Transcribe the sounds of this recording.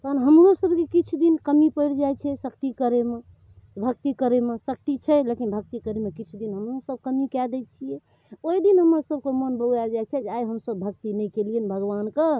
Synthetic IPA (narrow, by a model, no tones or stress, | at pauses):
t̪ɔənɦəmɾosəbkekit͡ʃʰud̪inkəmipəɪɾd͡ʒajt͡ʃʰɛsəkt̪ikəɾeme | bʱək̚t̪ikəɾemesək̚t̪it͡ʃʰɛlekinbʱək̚t̪ikəɾemekit͡ʃʰud̪inɦəmɾosəb̚ʱkəmikɛd̪ɛt͡ʃʰijɛ | oid̪inɦəməɾsəb̚ʱkemənbəɡad͡ʒajt͡ʃʰɛd͡ʒeajɦəmsəbːʱəkt̪inɛkeliənbʱəɡʋanke